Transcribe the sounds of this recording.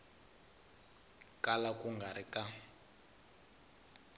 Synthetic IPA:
kalakuŋɡʱaɾika

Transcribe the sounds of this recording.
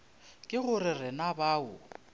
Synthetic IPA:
kʼɪɣʊɾɪrɪnabaːʊ̰

